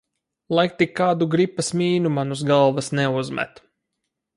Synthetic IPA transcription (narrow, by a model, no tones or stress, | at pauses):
lˠajk̚t̪ʲikːaːd̪uɡɾipːasmʲiːnumanusɡalˠvasnɛuzmɛ̰t̪